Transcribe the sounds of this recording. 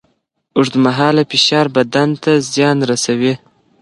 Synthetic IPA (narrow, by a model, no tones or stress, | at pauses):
ʊʐd̪əmaɦɑːlafiʃɑɾbad̪ant̪azjɑnɾasawi